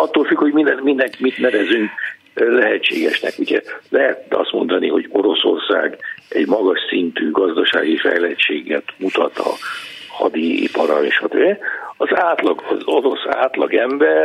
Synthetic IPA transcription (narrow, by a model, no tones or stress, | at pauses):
ɒt̪ːoːlfykhoɟmind̪ɛnmind̪ɛŋkmit̪nɛvɛzyŋk | lɛɦɛt͡ʃːeːɡɛʃnɛ̰kuɟɛlɛɦɛt̪ɛɒst̪mo̞nd̪ɒniɦo̞ɟo̞ɾo̞so̞̰rsa̰ːɡɛɟmɒɡɒʃsint̪yːɡɒzd̪ɒʃa̰ːɡifɛ̰jlɛt͡ʃeːɡɛt̪mut̪ɒt̪ɒ̰ | hɒ̰d̪iḭpɒɾɒeːʃɒt̪øbɛɒzaːt̪lɒɡɒzoɾo̞sa̰ːt̪lɒɡɛmbɛr